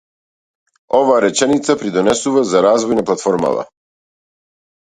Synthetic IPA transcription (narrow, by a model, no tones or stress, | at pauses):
ɔvaːɾɛt͡ʃɛnit̪sapɾid̪ɔnɛsuvazaɾazvɔjnaplˠat̪fɔɾma̰t̪a̰